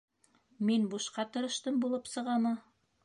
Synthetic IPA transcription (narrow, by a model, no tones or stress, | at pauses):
minbuʃqɑt̪ɤ̆ɾɤ̆ʃt̪ɤmbulˠɤpsɤ̆ʁɑmɑ